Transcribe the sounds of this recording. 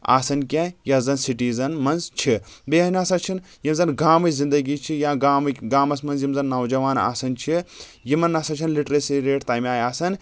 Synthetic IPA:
a̰ːsɐnkʲãːjɐzɐnsiʈiːzɐnmɐnzt͡ʃʰibeːɐnaːsɐt͡ʃʰin | jimzɐnɡaːmɐzind̪ɐɡit͡ʃʰijaːɡaːmɡaːmɐsmɐnzjimzɐnːɐwd͡ʒɐʋaːna̰ːsɐnt͡ʃʰi | jimɐnːɐsɐt͡ʃʰinliʈɾɐsiɾeːʈt̪aːjmʲaːjaːsɐn

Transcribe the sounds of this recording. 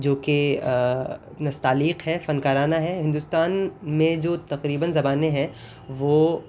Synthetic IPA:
d͡ʒoːke | nɐst̪aːliːqɦɛfɐnkaːɾaːnaɦɛɦɪ̃nd̪ʊst̪aːnmẽd͡ʒoːt̪ɐqɾiːbənzɐbaːnẽɦɛ̃ | ʋoː

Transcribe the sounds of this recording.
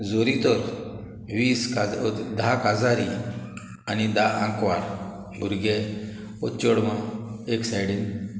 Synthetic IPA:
zoːɾit̪oɾ | ʋiːskd̪ʱakazaːɾi | anid̪aãŋkʋaːɾ | uɾɡe | ot̪t͡ʃoɽmãeksajɽin

